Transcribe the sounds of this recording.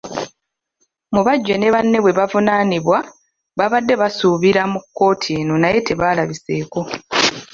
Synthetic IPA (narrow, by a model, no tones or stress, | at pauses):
muβaɟːene̞βanːe̞βwe̞βavunaniβwa | βaβadːe̞βasuβiɾamukːo̞ːtʰeːno̞naje̞te̞βalaβise̞ːko̞